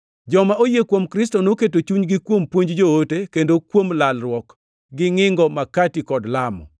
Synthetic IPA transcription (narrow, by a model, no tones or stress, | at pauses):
d͡ʒɔmaojekwomkɾɪstɔnoket̬ot͡ʃuɲɡɪkwompwoɲd͡ʒd͡ʒootekendokwomlalɾwɔk | ɡɪŋɪŋɡɔmakatikɔdlamɔ̰